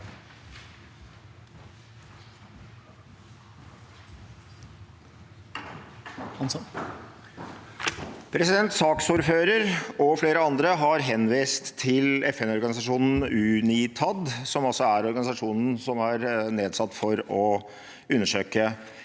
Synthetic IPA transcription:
pʰɾɛsɪd̪ɛnt̪sɑːksʊɾføːɾəɾɔfleːɾəɑnd̪ɾəɦɑɾɦɛnʋiːst̪ʰːɪlɛfɛnɔɾɡɑnɪsɑʂuːnn̩ʉniːt̪ʰɑd̪sɔmɔsɔæɾɔɾɡɑnɪsɑʂuːnn̩sɔmæɾneːd̪sɑt̪ːfɔɾɔ | ʉnːəʂøːkə

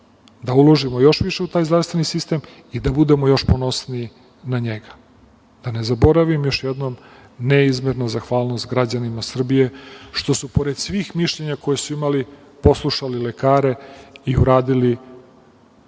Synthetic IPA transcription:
d̪aulˠo̞ʒimojo̞ʃʋiʃe̞ut̪aːjzɾavst̪ʋe̞nisist̪e̞ːm | id̪abud̪e̞mo̞jo̞ʃponosnii | naɲeɡḁ | d̪̥ane̞zabo̞ɾaʋimjo̞ʃjed̪nom | neizmeɾnazaxʋaːlˠno̞st̪ɡɾad͡ʑanimasr̩bije̞ʃt̪o̞supo̞ɾe̞d̪̥sʋiːxmiʃʎe̞ɲako̞jesuimali | po̞slˠuʃalilekaːɾe̞iuɾaːd̪ili

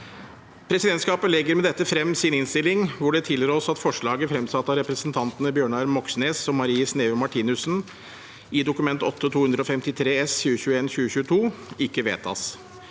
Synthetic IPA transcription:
pʰɾɛsɪd̪ɛnt̪skɑːpəlɛɡːəɾmɛd̪ɛt̪ːəfɾɛmːsɪnɪnst̪ɪlɪŋʋʊɖɛt̪ʰɪləɾəɔsɑt̪fɔʂɭɑːɡəfɾɛmsɑt̪ːɑɾɛpɾəsnt̪ʰɑnt̪ənəbjøːɳɑɾmɔksneːsɔmɑɾiːəsneːɔmɑʈʰiːnʉsn | ɪd̪ʊkʉmɛnt̪ɔt̪ʰːət̪ʰuːhʉnd̪ɾəɔfɛmt̪ɪt̪ʰɾeːɛsçʉːəçʉːəeːnɕʉːəçʉːət̪ʰuːɪkːəʋeːt̪ʰɑ̰s

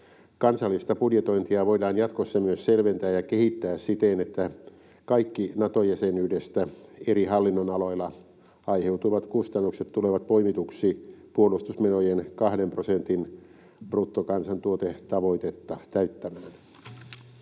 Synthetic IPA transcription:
kɑnsɑlːist̪ɑpudjet̪o̞int̪iɑʋo̞idɑːnjɑt̪kosːɑmyøsselʋent̪æːjɑkehit̪ːæːssit̪enet̪ːæ | kɑikːinɑt̪ojæsenydest̪æeɾihɑlːinːonɑlo̞ilːˑɑ | ɑjhe̞wt̪uʋɑt̪kust̪ɑnːukset̪t̪ːuleʋɑt̪̚po̞imit̪uksiːpuolust̪usmenojenkɑhdemprosent̪in | prut̪ːokɑnsɑnt̪uot̪et̪ɑʋo̞it̪et̪ːɑt̪æyt̪ːæmæːn

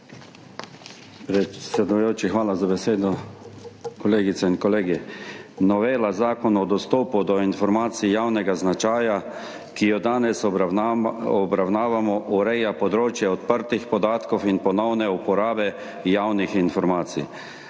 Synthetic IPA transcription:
pɾɛt̪sɛd̪ujoːt͡ʃixʋaːlazabɛseːd̪ɔ | kɔleːɡit̪sɛinkɔleːɡinɔʋeːlazaːkɔnɔd̪ɔst̪oːpud̪ɔinfɔɾmaːt̪sijawnɛɡaznat͡ʃaːja | kijɔd̪aːnɛs | ɔbɾawnaːʋamɔʔuɾɛjapɔd̪ɾoːt͡ʃjɛɔt̪pəɾt̪ixpɔd̪aːt̪kɔwinpɔnɔwnɛupɔɾaːbɛ | jawnixinfɔɾmaːt̪sḭ

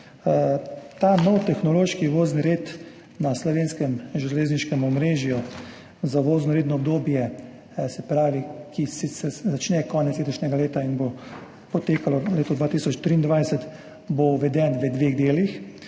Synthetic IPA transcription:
t̪aːnɔwt̪ɛxnɔloːʃkiʋoːznɾeːt̪ | naslɔʋeːnskɛmʒɛleːzniʃkɛmɔmɾeːʒju | zaʋoːznɔɾeːt̪nɔːbd̪oːbjɛ | sɛpɾaːʋikʰisisɛzat͡ʃnɛkɔːnɛt̪slet̪ɔʃnʲɛɡaleːt̪ainbo | pɔt̪eːkalɔleːt̪ɔd̪ʋaːt̪isɔt͡ʃt̪ɾiːnd̪ʋajsɛt̪ | boʋɛd̪ɛnʋəd̪ʋeɣd̪eːlix

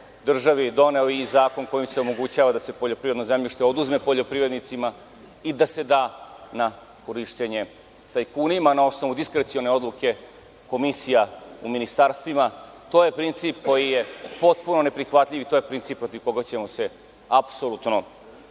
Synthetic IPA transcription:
d̪r̩ʒaʋid̪o̞ne̞oizaːko̞nko̞jimseomo̞ɡut͡ɕaːʋad̪ase̞po̞ʎo̞pɾiɾe̞d̪nozamʎʲiʃt̪eo̞d̪uzme̞po̞ʎo̞pɾiʋɾe̞d̪nit̪sima | id̪ase̞d̪aːna | ko̞ɾiʂt̪eɲe̞ | t̪ajkuːnimanao̞sno̞ʋud̪iskɾet̪sio̞ne̞o̞d̪lˠuke̞ | ko̞misijauminist̪aɾst̪ʋima | t̪o̞ːje̞pɾint̪siːpko̞jije̞po̞t̪̚puno̞ne̞pɾixʋat̪ʎʲiʋit̪o̞je̞pɾint̪iːpːɾo̞t̪iʋko̞ɡat͡ɕe̞mo̞se̞ | apsolut̪no̞

